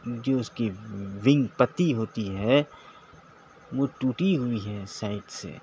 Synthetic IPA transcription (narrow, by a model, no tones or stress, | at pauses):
d͡ʒoːʊskiʋɪ̃ŋɡpɐt̪iɦoːt̪iɦɛ | ʋoʈuːʈiɦʊiɦɛsaːɪʈsḛː